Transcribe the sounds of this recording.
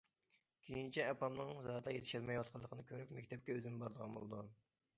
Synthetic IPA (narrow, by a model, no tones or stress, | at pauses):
kʲʰejint͡ʃʰɛɛpɑmnɨŋzɑd̪ɑjet̪ʰɪ̥ʃiɾmɛjwɑt̪̚qʰɑlˠːəqʰənɨkʲʰøɾypmɛkʲt̪ʰɛp̚kʲɛøzɪnbɑɾd̪əʁɑnbo̰lˠɨd̪u